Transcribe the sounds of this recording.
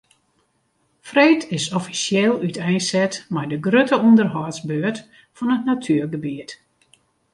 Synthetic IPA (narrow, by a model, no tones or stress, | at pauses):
frejtʰɪsɔfisjelˠytʰɛjnsɛtmɛjdəɡrøtʰəundərɦɔːsbøːət | fɔnətnatʰyərɡəbiət